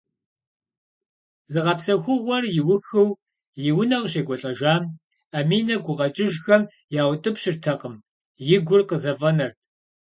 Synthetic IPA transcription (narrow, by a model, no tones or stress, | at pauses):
zɨʁɐpsɐxʷʊʁʷɔrjɪwʊxɨw | jɪwʊnɐʁɕeːɡʷɔɬʼɐʒaːm | ɐmiːnɐɡʷʊʁɐt͡ʃʼɪʒxɐm | jaːwtʼɨpɕɪrtʰɐqəm | jɪɡʷʊrqəzɐvɐnɐrt̚ʰ